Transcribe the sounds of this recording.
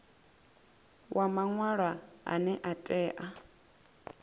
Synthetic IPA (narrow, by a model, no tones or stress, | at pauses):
wʔamaŋwaɺaa̰nɛʔatʼɛːʔa